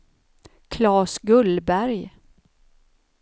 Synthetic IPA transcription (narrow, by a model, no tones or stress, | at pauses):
kʰlɑːsɡɵlbæɾj